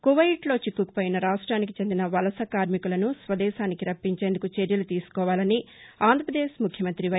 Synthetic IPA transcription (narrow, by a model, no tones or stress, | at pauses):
kuʋɐjʈlo̞ːt͡ʃikːukɐ̥poːjinɐɾaːʂʈɾaːnikit͡ʃe̞nd̪inɐʋɐlɐsɐkaːɾmikulɐnusʋɐd̪ɛːʃaːnikiɾɐpːiɲt͡ʃe̞ːnd̪ukut͡ʃeɾjɐlut̪iːsu̥kɔːʋaːlɐni | aːnd̪ʱɾɐpɾɐd̪eːsmukʰjɐmɐnt̪ɾiʋɐ